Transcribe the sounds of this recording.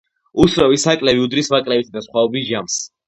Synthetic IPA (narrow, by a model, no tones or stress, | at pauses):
ut̪sɾɔvisakʼlɛviud̪ɾismakʼlɛbit̪ʰd̪asχwaɔbisʒams